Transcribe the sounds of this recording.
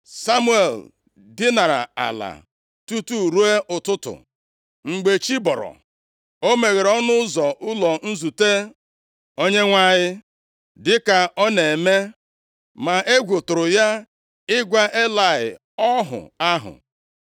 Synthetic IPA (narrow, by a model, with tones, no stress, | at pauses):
sa˦mu˦e˨l | dɪ˦na˨ɾa̰˨a̰˨la̰˨ | tu˦tu˦˨ɾu˦e˦ʔʊ˨tʊ˦tʊ̰˨ | ŋ͡m̩˨ɡ͡be˨t͡ʃi˦bɔ˨ɾɔ̰˨ | o˦me˨ɣe˨ɾɔ˦nʊ˦zɔ˨ʔʊ˦lɔ˨n̩˦zu˨te˦ | o˦ɲe˦ŋʷa˦ɲɪ˦ | dɪ˦ka˨ɔ˦ne˨me˦ | ma˨ʔe˦ɡʷʊ˨tʊ˨ɾʊ˨ja˦ | ɪ˦ɡʷa˦ʔe˦la˨ɪ̰˨ | ɔ˦ɦʊ̰˨a˦ɦʊ̰˨